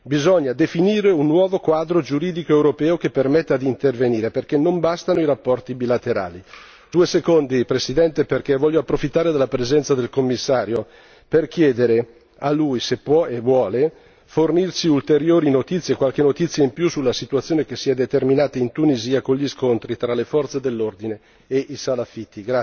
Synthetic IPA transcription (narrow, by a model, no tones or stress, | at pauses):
bizɔɲːad̪efiniːɾeunːwɔːvokwaːd̪ɾod͡ʒuɾiːd̪ikoɛwɾopɛːokepːermɛt̪ːad̪iːnt̪erveniːɾeperk̟enːombast̪anoiɾapːɔrt̪ibilat̪eɾa̰ːli | d̪̥uesekond̪ipɾesid̪ɛnt̪eperkevːɔʎːoapːɾofit̪ːaːɾed̪elːapɾezɛnt̪sad̪elkomːisːaːɾjo | perk̟jɛːd̪eɾe | alːujsepːwɔevwɔːle | fornirsiult̪eɾjoːɾinot̪it̪sːjekwalkenot̪it̪sːjaimpjusulːasit̪uat̪sjoːnek̟esːiɛd̪et̪erminaːt̪aint̪uniziːakoɲʎiskont̪ɾit̪ɾalefɔrt̪sed̪elːord̪ineː | ʔisalafit̪ːiɡɾa